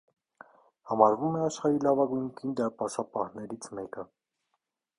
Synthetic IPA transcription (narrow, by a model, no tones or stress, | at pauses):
hɑmɑɾvumɛɑʃχɑɾilɑvɑɡujŋkʰind̪ɑɾpɑsɑpɑhnɛɾit͡sʰmɛkə